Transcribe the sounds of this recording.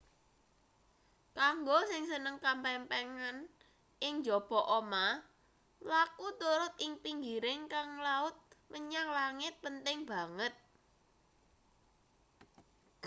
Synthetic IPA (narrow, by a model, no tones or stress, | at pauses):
kaŋɡosɪŋsənəŋkampɛmpɛŋan | ʔɪŋnd͡ʒɔb̥ɔ̤ʔɔma | lakut̪uɾʊt̪̚ɪŋpiŋɡiɾɪŋkaŋlaʊt̪̚məɲaŋlaŋɪt̪̚pənt̪ɪŋb̥ä̤ŋət̪̚